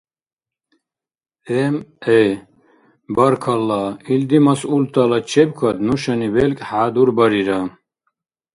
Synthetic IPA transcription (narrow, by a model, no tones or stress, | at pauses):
ɛmɛ | baɾkʰalːaild̪imasult̪ʰʼalat͡ʃʰɛb̚kʰad̪nuʃanivɛlkʼħaːd̪uɾbaɾiɾa